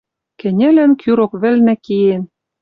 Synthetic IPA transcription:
kɘ̆nʲɘ̆lænkʰyɾokβɘ̆lnæ̆kijen

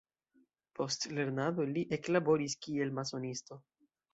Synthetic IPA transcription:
pʰo̞stle̞ɾnad̪o̞liʔe̞klabo̞ɾiskie̞lmaso̞nisto̞

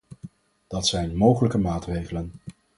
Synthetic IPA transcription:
d̥ɑtsɛjnmowχələkəmaːtrejχələn

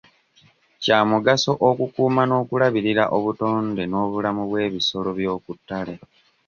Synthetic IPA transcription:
caːmuɡaso̞ʔokukuːmano̞ːkulaβiɾiɾa̰ʔoβuto̞ːndeno̞ːβulamuβwe̞ːβiso̞lo̞βjo̞ːkutːale̞

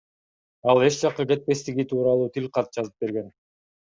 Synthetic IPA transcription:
ɑlˠe̞t͡ʃd͡ʒɑqːɯke̞t̪̚pe̞st̪iɡit̪ʰuːɾɑlˠuːt̪ʰilqɑt̪̚d͡ʒɑzɯp̚be̞ɾɡe̞n

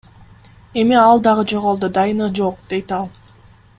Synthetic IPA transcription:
e̞miɑlˠd̪ɑʁɯd͡ʒoʁo̞lˠd̪od̪ɑjɯnɯd͡ʒoq̚d̪̥e̞jt̪ɑlˠ

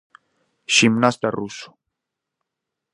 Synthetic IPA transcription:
ʃimnast̪arusu̥

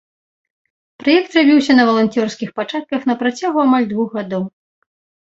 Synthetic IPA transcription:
pɾajɛkt̪rabʲiwsʲɐnɐvɐlˠanʲt̪ʲɔrskʲixpat͡ʂat̪̚kɐxnɐpɾat͡sʲaɣuamalʲd̪vuɣɣad̪ɔw

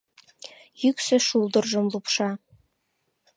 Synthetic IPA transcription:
jyksɘ̆ʃulˠd̪ɤ̆rʒɤ̆mlˠupʃɑ

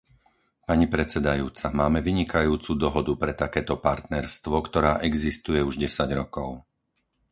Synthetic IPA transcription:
paɲipɾɛt͡sɛd̪ajuːt͡samaːmɛʋiɲikajuːt͡sud̪ɔɦɔd̪upɾɛt̪akɛːt̪ɔpaɾt̪nɛɾst̪ʋɔkt̪ɔɾaːʔɛɡzist̪ujɛuʒɟɛsaɟɾɔkɔʊ

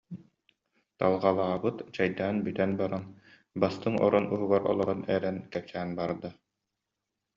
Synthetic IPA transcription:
t̪alˠʁalˠaːbɯt̪t͡ɕajd̪aːnbyt̪ɛnbaɾan | bast̪ɯŋɔ̰ɾɔnuɦuɡaɾɔ̰lˠɔɾɔnɛɾɛnkɛp̚sæːnbaɾd̪a

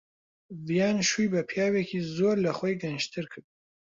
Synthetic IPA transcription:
vijaːnʃujbɐpʰjaːwekʰizoːɾlɐχojɡɐnʃt̪ʰɨɾkʰɨɾd̪̚

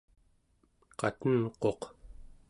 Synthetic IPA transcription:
qɑ̰t̪ənqo̞q

